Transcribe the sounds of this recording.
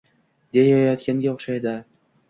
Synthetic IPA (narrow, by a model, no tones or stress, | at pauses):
d̪̥e̞jɒjɒt̪kʲaŋɡʲaoχʃajd̪ɪ